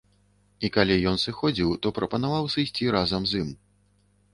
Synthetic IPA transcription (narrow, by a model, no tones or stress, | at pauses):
ikalʲijɔnsɨxɔd͡zʲiwt̪ɔpɾɐpɐn̪avawsɨjsʲt͡sʲiɾazɐmzim